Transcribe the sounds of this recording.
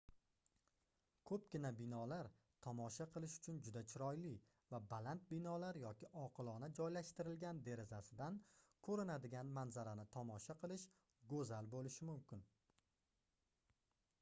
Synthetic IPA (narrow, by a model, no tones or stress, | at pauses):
kʰɵp̚ɡʲɪnabɪnɒlaɾ | t̪ʰɒmɒʃaqʰɨlˠɪʃʊ̥t͡ʃʰʊnd͡ʒʊd̪at͡ʃʰɪɾɒjlɪ | vabalant̪̚bɪnɒlaɾjɒkʲɪʔɒqʰɨlˠɒnad͡ʒɒjlaʃt̪ɪɾɪlɡʲand̪e̞ɾɪzasɪd̪ankʰɵɾɪnad̪ɪɡʲanmanzaɾanɪt̪ʰɒmɒʃaqʰɨlˠɪʃ | ɡɵzalbolɪʃɪmʊmkʲɪn